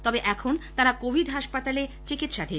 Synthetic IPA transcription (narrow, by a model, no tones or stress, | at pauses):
t̪ɔbeʔɛkʰont̪aɾakobʱiɖɦaʃpat̪alet͡ɕikit̪ːʃaʈʰi